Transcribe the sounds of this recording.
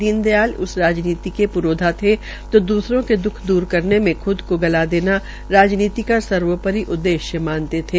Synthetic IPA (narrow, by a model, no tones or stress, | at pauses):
d̪iːnd̪jaːlʊ̰sɾaːd͡ʒniːt̪ikepʊɾoːd̪ʱat̪ʰe | t̪oːd̪uːsɾõked̪ʊkʰd̪uːɾkɐɾnemẽxʰʊd̪koɡɐlad̪eːna | ɾaːd͡ʒniːt̪ikasɐɾʋəpəɾiʔʊd̪ːeːʃjəmãːnt̪et̪ʰeː